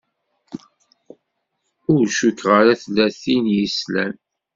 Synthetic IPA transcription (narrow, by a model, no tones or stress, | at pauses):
ʊɾʃukʁəɾaθlːæθinjislæ̰n